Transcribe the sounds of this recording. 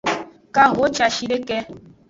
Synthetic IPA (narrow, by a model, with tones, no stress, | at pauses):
ka˦˨ɦo˨˦t͡ʃa˨ʃi˦ɾe˦kɛ˦